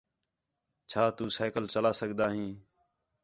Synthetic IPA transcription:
t͡ʃʰaːt̪uːsaːkəlt͡ʃəlaːsəɠd̪aːɦĩː

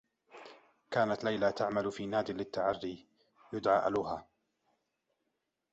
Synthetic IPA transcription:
kaːnat̪lajlat̪aʕmalfiːnaːd̪ɪlɪt̪ːaʕarːi | jʊd̪ʕa̰ːʔa̰luɦaː

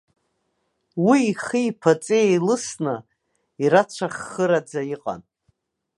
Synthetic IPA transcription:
wiːχiipʰat͡sʼiejlɨsnɨ | iɾat͡ʃʷʰaχːɨɾad͡zajiqʼa̰n

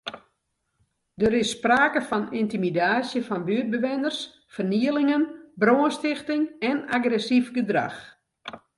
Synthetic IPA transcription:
dəɾɪsːpraːkəfɔnintimidaːsjəfɔnʋyəd̚bəʋɪnərs | fərniəlɪŋənbroːənstɪxtɪŋɛnaɡrɛsifɡədra̰x

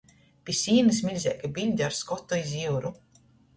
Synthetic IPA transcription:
pʲisʲiːnɨsmʲilʲzʲiɛkabilʲd̪ʲaɾskɔt̪ːɔiziwɾu

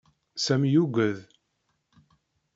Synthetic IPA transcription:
sæmjuɡʷəð

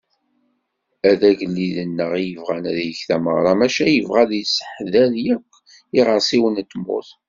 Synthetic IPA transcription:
æðæʝəlːiðənːəʁijəvʁænæðjəçθæmə̰ʁɾˤɑmæʃæjəvʁæðjəsə̥ħðæðjækʷː | iʁəɾsˤiwənt̪ːmʊ̰θ

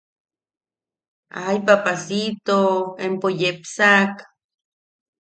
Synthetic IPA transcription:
a̰jpapasit̪oempojepsak

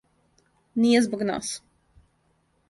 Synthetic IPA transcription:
niɛzbaɡna̰ːs

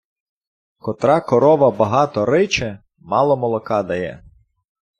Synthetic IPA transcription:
kɔt̪ɾɑkɔɾɔʋɐbɐɦɑt̪ɔɾɪt͡ʃɛ | mɑlˠɔmɔlˠɔkɑd̪ɐjɛ̰

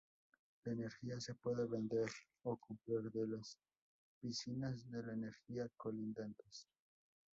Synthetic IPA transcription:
laene̞ɾxiase̞pwe̞ðeβend̪eɾ | okumpliɾðelas | bisinazðelaeneɾxiakolind̪ant̪es

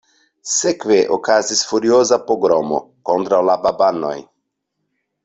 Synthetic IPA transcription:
sekʋeʔokazisfuɾjoːzapɔɡɾɔmɔ̰kɔnd̪ɾawlababanːɔ̰j

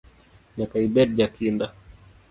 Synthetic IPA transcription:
ɲakaibɛd̚d͡ʒakinda

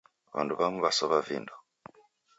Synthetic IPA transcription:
βa̰nduβaŋuβasɔβavinda

